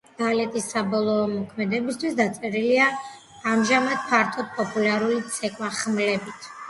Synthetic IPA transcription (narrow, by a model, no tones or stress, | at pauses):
ɡ̪̥alɛt̪ʼisːabɔlˠɔːmɔkʰmɛd̪ɛbist̪ʰwisd̪at̪sʼɛɾiliaː | mʒamad̪̥̚pʰaɾt̪ʰɔd̪̚pʼɔpʼulaɾulit̪sʰɛkʼwaχmlɛbit̪ʰ